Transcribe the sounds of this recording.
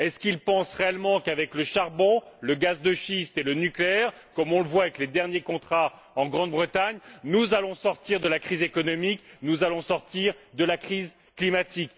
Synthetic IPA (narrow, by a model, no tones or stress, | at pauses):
ɛskilpɑ̃sʁeɛlmɑ̃kavɛkləʃaʁbɔ̃ləɡazd̪əʃist̪elənykleɛʁ | kɔmɔ̃ləvwavɛkled̪ɛʁnjekɔ̃t̪χa | ɑ̃ɡʁɑ̃d̪̚bʁət̪aɲnuzalɔ̃sɔʁt̪iʁd̪əlakχizekɔnɔmiknuzalɔ̃sɔʁt̪iʁd̪əlakχiz | klimat̪ik